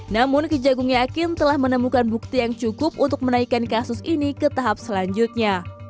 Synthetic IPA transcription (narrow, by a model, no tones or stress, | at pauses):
namʊnkəd͡ʒaɡuŋjakɪnt̪əlahmənəmukanbuk̚t̪ijaŋt͡ʃukʊp̚ʔunt̪ʊk̚mənaikankasʊsinikət̪aɦap̚səlaɲd͡ʒʊt̪̚ɲa